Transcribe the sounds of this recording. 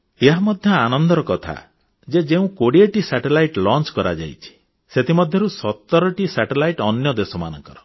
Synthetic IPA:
eɦamɔd̪ʱjɔanɔnd̪ɔɾɔkɔt̪ʰa̰ | d͡ʒed͡ʒeũkoɽieʈisɛʈelajʈlɔnt͡ʃkɔɾa̰d͡ʒa̰jt͡ʃʰi̥ | set̪imɔd̪ʱjɔɾusɔt̪ːɔɾɔʈisɛʈelajʈɔnjɔd̪esɔma̰nɔ̰ŋkɔɾɔ

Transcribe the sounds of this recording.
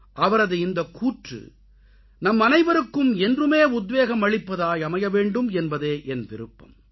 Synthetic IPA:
ʔɐʋɐɾɐðɯɪnd̪ɐkuːʈrɯ̰ | nɐmːɐnɐɪʋɐɾɯkːɯmɛndrɯmeːʊd̪ʋeːɣɐmɐɭɪpːɐðaːjɐmɐjɐʋeːɳɖɯmɛnbɐðeːʔɛnʋɪɾɯpːɐ̰m

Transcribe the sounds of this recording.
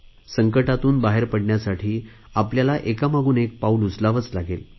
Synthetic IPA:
səŋkəʈat̪uːnbaɦeɾpəɽɳjasaʈʰiː | apljalaʔekamaɡuːnek̚paulud͡zlaʋət͡slaɡel

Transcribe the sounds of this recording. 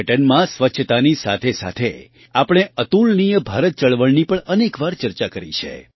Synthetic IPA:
ʈənmãsʋətːʃʰət̪anisat̪ʰesa̰t̪ʰe | apɽ̃eət̪ulnijəbʱaɾət̪̚t͡ʃəɭʋəɭnipəɳənekʋaɾt͡ʃəɾt͡ʃakəɾḭt͡ʃʰḛ

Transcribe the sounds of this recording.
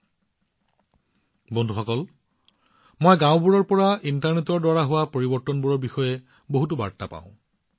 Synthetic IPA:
bondʱuxɔkɔl | mojɡãʊ̃buɹɔɹpɔɹaintaɹnetɔɹdwaɹaɦʊwapoɹibɔɹtɔnbuɹɔɹbixɔjɛ | boɦutuba̰ɹta̰pã̰ʊ̃

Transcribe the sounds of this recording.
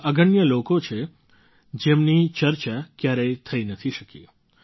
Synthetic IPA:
əɡəɳjəlokot͡ʃʰe | d͡ʒemnit͡ʃəɾt͡ʃakjaɾet̪ʰəinət̪ʰiʃəkḭ

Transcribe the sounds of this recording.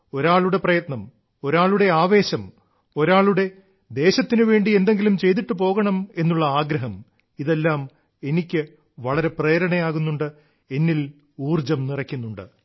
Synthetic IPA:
oɾaːɭuɽe̞prɐjɐt̪nɐm | o̞ɾaːɭuɽe̞aːʋe̞ːɕɐm | o̞ɾaːɭuɽe̞ | d̪e̞ːɕɐt̪ːinɨʋe̞ːɳɖie̞nd̪e̞ŋɡilumt͡ɕe̞jt̪iʈːɨpo̞ːɣɐɳɐme̞nːuɭːɐaːɡɾɐɦɐm | iðe̞lːaːm | e̞nikʲːɨ | ʋɐɭɐɾe̞preːɾɐɳɐjaːɣunːuɳɖɨ | e̞nːil | uːrd͡ʑɐmnirɐkʲːunːuɳɖɨ̰

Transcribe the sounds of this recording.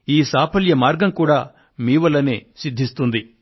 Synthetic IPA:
iːsaːpʰɐljɐmaːɾɡɐmkuːɽaː | miːʋɐlɐneːsid̪ʱːist̪und̪i

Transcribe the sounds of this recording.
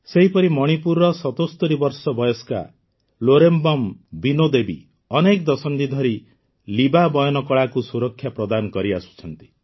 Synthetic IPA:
seɦipɔɾimɔɽ̃ipuɾɔsɔt̪ost̪ɔɾibɔɾsɔbɔjɔska̰ | loɾembɔmbinod̪ebi | ɔnekd̪ɔsɔnd̪id̪ʱɔɾi | libabɔjɔnɔkɔɭakusuɾɔkʰːjapɾɔd̪anɔkɔɾiasu̥t͡ʃʰɔnt̪i̥

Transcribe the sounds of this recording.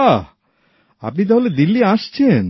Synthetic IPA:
a | a̰pnit̪aɦoled̪ilːiaʃt͡ɕʰen

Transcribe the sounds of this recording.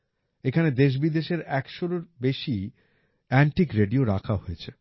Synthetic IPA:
ekʰaned̪eʃ̬bid̪eʃeɾɛkʃoɾoɾbeʃi | ɛɳʈikɾeɖioɾakʰaɦojet͡ɕʰe

